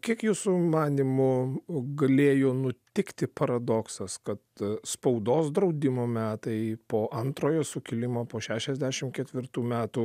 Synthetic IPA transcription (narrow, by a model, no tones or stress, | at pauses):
kʲiɛkjuːsʊmɑːnʲimʊɡɐlʲeːjoːnʊt̪ʲɪkt̪ʲɪpɐɾɐd̪oːksɐskɐt̪spɐʊd̪oːsd̪ɾɐʊd̪ʲɪmoːmʲæːt̪ɐɪpoːʔɐnt̪ɾoːjoːsʊkʲɪlʲɪmoːpoːʃʲæːʃʲɛzʲd̪ʲæʃʲɪmkʲɛt̪ʲʋʲɪrt̪uːmʲæːt̪uː